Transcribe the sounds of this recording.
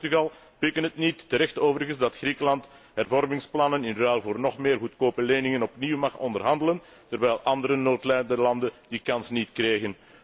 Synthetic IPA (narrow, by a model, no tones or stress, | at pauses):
tyɣɑlˠ | pɪkənətnitːəɾɛxtoːvərəɣənszdɑtxrikəlɑnt | ɦɛrvɔrmɪŋsplɑnənɪnrɛːlˠvoːrnɔxmeːrɦutkoːpənleːnɪŋənɔpniwmɑxɔndərɦɑndələn | tərʋɛjlˠʔɑndəɾənoːtlɛdəlɑndədikɑnsnitkreːɣən